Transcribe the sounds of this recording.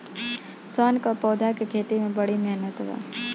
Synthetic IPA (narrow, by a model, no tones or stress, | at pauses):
sɔnkɔpɔːd̪ʱakekʰeːt̪imẽbəɽimɛɦnət̪ʋa̰